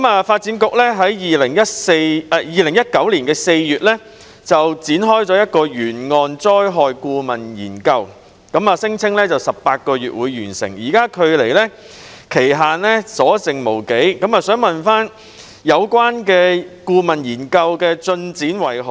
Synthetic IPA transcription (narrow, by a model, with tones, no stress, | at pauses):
kɐ˨˦maː˨˧faː˧t̚t͡siː˨˥nkʊ˨k̚lɛː˥ɦɐ˨˥jjiː˨lɪ˨˩ŋjɐ˥t̚se˧jɛ˧jiː˨lɪ˨˩ŋjɐ˥t̚kɐ˨˥wliː˨˩nkɛː˧se˧jjyː˨t̚lɛː˥ | t͡sɐ˨wt͡siː˨˥nɦɔː˥jt͡sɔː˨˥jɐ˥t̚kɔː˧jyː˨˩nŋɔː˧nt͡sɔː˥jɦɔː˨jkuː˧mɐ˨njiː˨˩nkɐ˧w | kɐ˨˥maː˨sɪ˥ŋt͡sʰɪ˥ŋlɛː˥t͡sɐ˨wsɐ˨p̚paː˧t̚kɔː˧ɥy̰ː˨t̚wuː˨˧jːyː˨˩nsɪ̰˨˩ŋjiː˨˩kaː˥kʰɵ˨˧ɥle˨˩jlɛː˥ | kʰe˨˩jɦaː˨nlɛ˥sɔː˨˥t͡sɪ˨ŋmo˨˩wke˨˥jkɐ˨˧˥maː˨sœː˨˥ŋmɐ˨nfaː˥n | jɐ˨˧wkwaː˥nkɛː˧kuː˧mɐ˨˩njiː˨˩nkɐ˧wkɛː˧t͡sɵ˧nt͡siː˨˥nwɐ˨˩jhɔ˨˩